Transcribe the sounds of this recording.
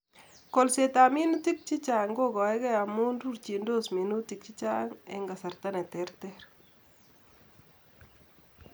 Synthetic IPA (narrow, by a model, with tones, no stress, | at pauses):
ko˨lse˨ta˨mi˦nu˦ti˦k̚t͡ʃi˦t͡ʃa˨ŋɡo˦kɔ˨ɛ˦kɛ˦a˨mu˦nɾu˦ɾt͡ʃi˨ndo˦smi˨nu˦ti˨k̚t͡ʃi˦t͡ʃa˦ŋḛ˦ŋɡa˨sɐ˨ɾta˦nɛ˨tɛ˨˦ɾtɛ˦ɾ